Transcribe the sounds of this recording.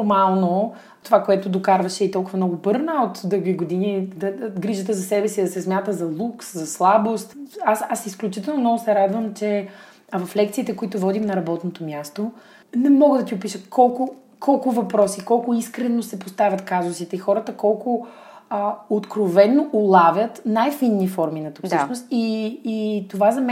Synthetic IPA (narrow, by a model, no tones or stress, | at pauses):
ɾmalˠno | t̪ovakoɛt̪ʊd̪okaɾvɐʃɛit̪ɔlˠkʊvɐmnɔɡʊbɤɾnəot̪d̪əɡviɡod̪inid̪ɐɡɾiʒət̪̬əzɐsɛbɛsid̪ɐsɛsmʲjat̪əzɐlˠukszɐslˠabost̪asasisklʲut͡ʃit̪ɛlˠnomnɔɡʊsɛɾad̪vəmt͡ʃɛ | vɐflɛk̚t̪siːt̪ɛkoit̪ʊvɔd̪imnɐɾɐbɔt̪not̪omʲjast̪o | nɛmɔɡəd̪ɐt̪ʲiʊpiʃət̪kʰɔlˠkʊ | kʰɔlˠkʊvɐpɾɔsikɔlˠkʊiskɾɛnosɛpost̪avʲət̪kazʊsit̪ɛixɔɾət̪əkɔlˠkʊ | ot̪kɾovɛnːoʔʊlˠavʲjət̪najfinːifɔɾminɐt̪u̥kfsʃnost̪iː | t̪ovazɐmɛ